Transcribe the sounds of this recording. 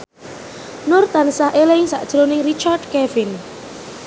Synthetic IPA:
nʊrt̪ansaɦʔelɪŋsa̰ʔd̥ʒ̥ɾonɪŋrit͡ʃard̚kɛvɪn

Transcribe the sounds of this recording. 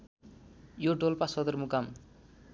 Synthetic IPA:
joɖolpasʌd̪ʌrmukam

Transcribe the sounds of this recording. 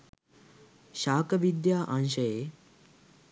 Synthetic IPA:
ʃaːkəʋid̪jaːʔɐ̃nʃɐje

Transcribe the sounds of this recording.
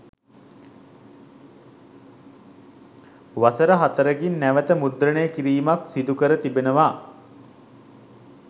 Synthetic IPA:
ʋasəɾəɦat̪əɾəɡinːæʋət̪əmud̪ɾənejəkiɾiːmaksid̪ukəɾət̪ibenəʋa

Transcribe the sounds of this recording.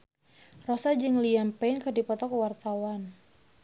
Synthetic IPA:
rɔsad͡ʒɨŋliampɛnkədipɔt̪ɔkwart̪awan

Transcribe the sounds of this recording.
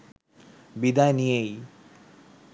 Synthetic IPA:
bid̪ajnijej

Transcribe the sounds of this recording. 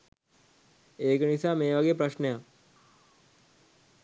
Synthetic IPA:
eːkənisaːmeːʋɐɡejəpɾɐʃneja

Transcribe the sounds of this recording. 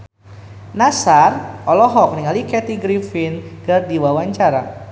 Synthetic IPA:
nasarʔɔlɔɦɔk̚niŋalikɛt̪iɡɾifinɡɨrdiwawaɲt͡ʃaɾa̰

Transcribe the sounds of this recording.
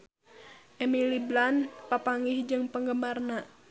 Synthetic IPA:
ʔɛmiliblanpapaŋihd͡ʒɨŋpəŋɡəmarna

